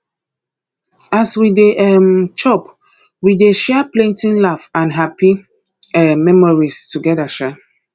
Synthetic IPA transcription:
aswideʔɛmt͡ʃɔp | wideʃɛplẽntĩnlafãnɦapi | ɛmɛmɔɹistuɡɛdaʃɛ

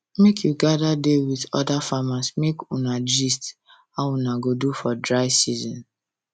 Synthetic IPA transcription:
mekʰjuɡadadewiðɔ̰dafamasmekunad͡ʒist | aunaɡodufɔdɹaɪsizɔ̃n

